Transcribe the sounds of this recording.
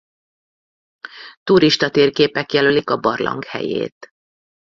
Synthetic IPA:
t̪uɾiʃt̪ɒt̪eːrkeːpɛkjɛlølikɒbɒrlʔɒ̰ŋkhɛ̰jḛːt̪

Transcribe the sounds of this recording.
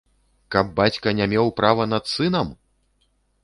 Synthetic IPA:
kɐbːat͡sʲkɐnʲamʲɛwpɾavɐnɐt̪sɨn̪ɐm

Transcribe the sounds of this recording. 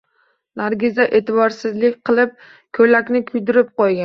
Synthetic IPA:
naɾɡʲɪzaʔe̞t̪ʰɪbɒɾsɪzlɪkʲqʰɨlˠɪp̚ | kʰɵlakʲnɪkʰʊjd̪ɪɾɪp̚qɒjɡʲa

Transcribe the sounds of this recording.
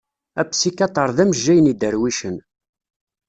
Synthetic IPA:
æpsikːɑt̪ˤəɾˤðæməʒːæjənid̪əɾwiʃən

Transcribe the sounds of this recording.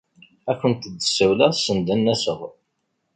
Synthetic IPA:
ækʷːənt̪əd̪ːəsəwlæsənd̪ænːæsəʁ

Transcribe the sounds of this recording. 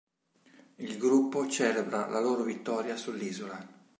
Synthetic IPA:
ilɡɾupːot͡ʃɛːlebɾalaloːɾovit̪ːɔːɾjasulːiːzola

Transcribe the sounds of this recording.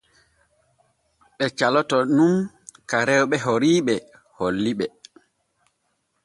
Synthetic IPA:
ɓɛt͡ʃalɔtɔnum | kaɾɛwɓɛɦoɾiːɓɛ | holːiɓɛ

